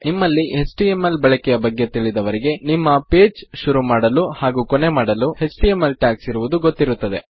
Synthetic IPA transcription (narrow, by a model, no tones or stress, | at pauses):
nimːɐlːiɦesʈiemːɐlbɐɭɐkɛjɐbɐɡːe̞t̪iɭid̪ɐʋɐɾiɡe̞nimːɐpeːd͡ʒʃuɾumaːɽɐluhaːɡuːkone̞maːɽɐluhe̞sʈijemːɐlʈjaːksiɾuʋud̪uɡot̪ːiɾut̪ːɐd̪e̞̰